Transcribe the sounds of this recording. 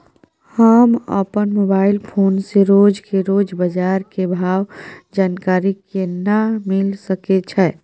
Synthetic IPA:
həmə̰pənmobaːɪlpʰoːnseɾod͡ʒkeɾod͡ʒbəd͡ʒaɾkebʱaʋd͡ʒaːnkaɾikenəmilsəket͡ʃʰɛ

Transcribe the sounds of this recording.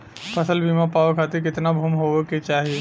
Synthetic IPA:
pʰɐsəlbʱiːmãpaːʋkʰaːt̪eɾkɪt̪nabʱuːmɦoːket͡ʃaːɦieː

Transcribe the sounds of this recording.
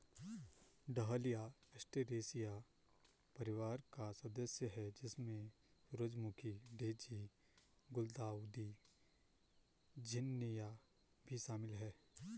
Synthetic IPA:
ɖɐɦəlijaɐsʈeɾeːsija | pɐɾɪʋaːɾkaswɐd̪əsjəɦɛd͡ʒɪsmẽ | ɾʊd͡ʒmʊkʰiɖeːd͡ʒi | ɡʊld̪aːd̪i | d͡ʒɪnːija | bʱiʃaːmɪlɦɛː

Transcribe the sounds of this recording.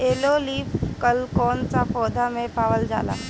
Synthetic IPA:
eloliːfkəlkɔnt͡safɔd̪amepaʋəld͡za̰la̰

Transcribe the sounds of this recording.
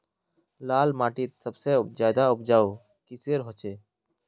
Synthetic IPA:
laːlmaːʈiːt̪̚səbsezjaːd̪aʊpd͡ʒaːoː | kiseɾɦot͡ʃeː

